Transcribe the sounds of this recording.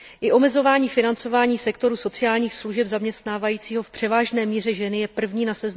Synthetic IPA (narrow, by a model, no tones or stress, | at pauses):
ʔɪʔo̞mɛzo̞vaːɲiːfɪnant͡so̞vaːɲiːsɛkt̪o̞ɾuːso̞t͡sɪjaːlɲiːxsluʒɛbzamɲɛst̪naːvajiːt͡siːɦo̞fpr̥ɛvaːʒnɛːmiːr̝ɛʒɛnɪjɛpr̩vɲiːnasɛzn